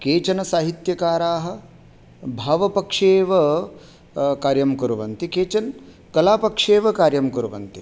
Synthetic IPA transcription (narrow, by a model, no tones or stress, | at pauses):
keːt͡ʃɐnɐsaːɦit̪jɐkaːɾaːɦɐ̆ | bʱaːʋɐpɐkʂeːʋɐ | kaːɾjɐmkuɾɐʋɐnt̪ikeːt͡ʃɐn | kɐlaːpɐkʂeːʋɐkaːɾjɐmkuɾʋɐnt̪i